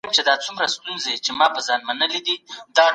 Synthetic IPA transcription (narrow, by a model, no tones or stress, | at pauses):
mt͡ʃed̪ɑt͡sumɾast̪unzet͡ʃemɑpəzɑnmanəlid̪id̪ɑ